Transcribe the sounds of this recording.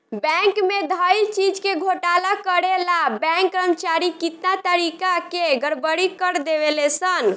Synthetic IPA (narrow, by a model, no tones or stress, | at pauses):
bɛ̃ŋkmed̪ʱəjlt͡ʃid͡ʒkeɡʱoʈalakəɾelabɛ̃ŋkːɾəmt͡ʃaɾikit̪nat̪əɾikakeɡəɽbəɽikəɾd̪eʋelesən